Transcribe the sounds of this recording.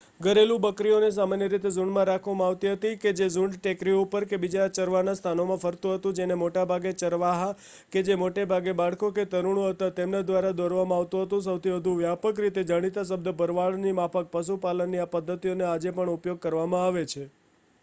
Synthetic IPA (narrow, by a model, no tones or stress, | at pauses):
ɡəɾelũbəkɾiones̬amanjəɾit̪ezuɳmãɾakʰʋamãaʋt̪iɦət̪iked͡ʒezuɳɖʈekɾioupəɾkebid͡ʒat͡ʃəɾʋanast̪ʰanomãfəɾt̪ũɦət̪ũd͡ʒenemoʈabʱaɡet͡ʃəɾʋaɦa | ked͡ʒemoʈebʱaɡebaɭkoket̪əɾuɽ̃õɦət̪at̪emnad̪ʋaɾad̪ɔɾʋamãaʋt̪ũɦət̪ũs̬əwt̪ʰiʋəd̪ʱũʋjapəkɾit̪ed͡ʒaɽ̃it̪as̬əb̚d̪əbʱəɾʋaɭnimapək̚pəs̬upalənːiapəd̪ʱːət̪ionead͡ʒepəɳupjoɡ̚kəɾʋamãaʋet͡ʃʰe